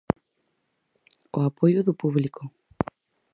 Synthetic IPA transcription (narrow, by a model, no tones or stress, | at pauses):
ʊapojʊðʊpuβlikʊ